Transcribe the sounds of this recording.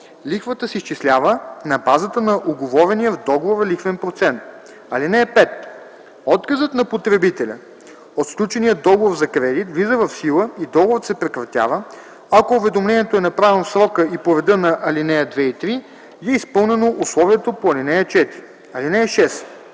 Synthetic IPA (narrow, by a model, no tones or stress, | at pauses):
lixvət̪əsist͡ʃislʲavənɐbazət̪ənɐʔʊɡovɔvɛnijəvd̪ɔɡovoɾɐlixvɛnpɾot̪sɛnt̪̚ | ɐlinɛːpɛt̪ | ɔt̪kəzət̪nɐpot̪ɾɛbit̪ɛlʲə̰ | ot̪sfklʲut͡ʃɛnijəd̪ɔɡovoɾzɐkɾɛd̪it̪vlizəvɐfsilˠəid̪ɔɡovət̪sɛpɾɛkɾɐt̪ʲja̰və | ɐkoʊvɛd̪omlɛniɛt̪oɛnɐpɾavɛnofsɾɔkəipoɾɛd̪ɤnɐʔɐlinɛjəd̪vɛit̪ɾi | jɛispɤlˠnɛnoʔuslˠɔviɛt̪opoɐlinɛjət͡ʃɛt̪iɾi | ɐlinɛjəʃɛs